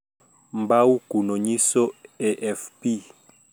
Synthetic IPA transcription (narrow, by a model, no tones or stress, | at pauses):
mbaukunɔɲisɔeʔɛfpi